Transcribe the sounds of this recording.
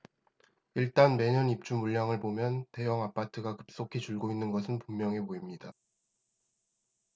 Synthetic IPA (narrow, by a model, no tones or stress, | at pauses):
iɭt͈anme̞ɲʌnip̚t͡ɕ͈umuɭːaŋɯɭpomjʌnte̞jʌŋap͈ʰatʰɯɡakɯ̥p̚s͈okʰit͡ɕuɭɡoinːɯnɡʌsʰɯnpummjʌŋepoimɲida